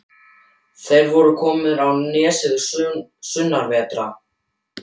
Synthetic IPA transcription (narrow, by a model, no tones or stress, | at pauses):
θejɾvɔɾʏkʰɔːmɪðɾawnɛːsɪðʏssʏnːaɾvɛːt̪ɾa